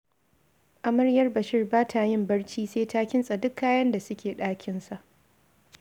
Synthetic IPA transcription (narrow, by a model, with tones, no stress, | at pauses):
ʔa˨mɐ˦ɽjɐ˦rbɐ˨ʃɪ˦rbaː˦tʰa˨jɪ˦˨mbɐ˦rt͡ʃiː˦seː˦taː˦kʲɪ˦nsʼa˨dʊ˦kːaː˦jɐ˦nda˨sʊ˦kʲeː˨ɗaː˦kʲɪ˦nsa˨ʔ